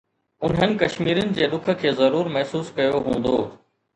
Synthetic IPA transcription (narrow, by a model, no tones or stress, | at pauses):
ʊnɦənɪ̆kɐʃmiːɾənɪ̆d͡ʑeːɗ̪ʊkʰə̆kʰeːzɐɾuːɾmɛɦsuːskɐjoɦũːn̆d̪o̰ː